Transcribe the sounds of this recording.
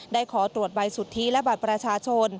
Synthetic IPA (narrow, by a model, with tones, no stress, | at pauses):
daː˥˩jkʰɔː˩˦t̪ɾu˨˩ət̪̚ba˧jsu˨˩t̪ʰːiː˦˥lɛ˦˥ba˨˩t̪̚pɾa˧t͡ɕʰaː˧t͡ɕʰo˧n